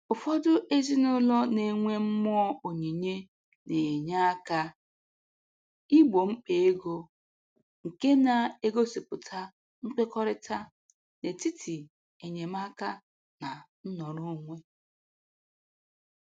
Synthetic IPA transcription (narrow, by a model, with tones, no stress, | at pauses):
ʊ˨fɔ˦dʊ˦ʔe˦zi˦nʊ˦lɔ˦ne˨ŋʷe˦m̩˦mʊ˦ɔ˦o˨ɲe˨ɲe˦ | ne˨ɲa˦a˦ka˦ | i˦ɡ͡bo˨ŋ͡m̩˦k͡pe˨e˦ɡo˦ | ŋ̩˨ke˦na˨e˦ɡo˦si˨pʊ˨tʰa˦ | ŋ͡m̩˦k͡pe˦kɔ˦ɾɪ˦tʰa˦ | ne˨ti˦tʰi˨ | e˨ɲe˨m˦a˦ka˦ | na˨n̩˦nɔ˨ɾʊ˦ŋʷe˦